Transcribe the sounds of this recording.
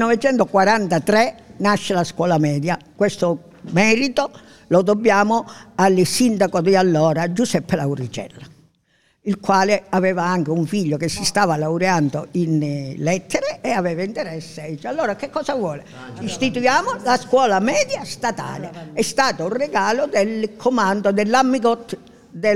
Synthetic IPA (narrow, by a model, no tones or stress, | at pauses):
nɔvet͡ʃɛnt̪okwaɾant̪at̪ɾɛnaʃːelaskwɔːlamɛːd̪jakwest̪o | mɛːɾit̪o | lod̪obːjaːmoalsind̪akod̪ialːɔːɾad͡ʒusɛpːelawuɾit͡ʃɛ̰lːa | ilkwaːlɪavɛːvaaŋk̟euɱfiʎːokesːist̪aːvalauɾeand̪oinlɛt̪ʰːɛɾeːavɛːvaint̪eɾɛsːɪit͡ʃːalːɔːɾakekːɔːsavwɔːle | ist̪it̪ujaːmolaskwɔːlamɛːd̪jast̪at̪a̰ːleɛst̪aːt̪ourːeɡaːlod̪elkʰomand̪od̪elːamːiɡɔt̪ː | d̪ɛ